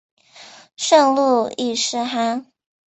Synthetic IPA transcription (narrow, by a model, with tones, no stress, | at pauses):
ʂɤ˥˧ŋlu˥˩i˥˩ʂɻ̩˥˩xa˧˥n